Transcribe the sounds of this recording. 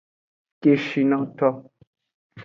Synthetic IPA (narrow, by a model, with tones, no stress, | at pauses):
ke˦ʃi˨nɔ̃˦tɔ˦